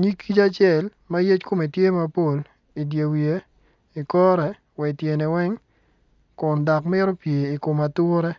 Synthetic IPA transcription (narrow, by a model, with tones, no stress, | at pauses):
ɲi˦kʰːi˦t͡ʃa˦t͡ʃjɛ˨l | ma˦je˦t͡ʃko˦mi˨tje˦ma˦po˦˨l | i˨dje˨wje˦ | i˨kɔ˦ɾɛ˨ | wɛ˨tje˨ne˨wɛ˦ŋ | kʊ˨ndɔ˨kmɪ˦ɾo˦pje˨i˨ko˨ma˨tʊ˦ɾɛ˦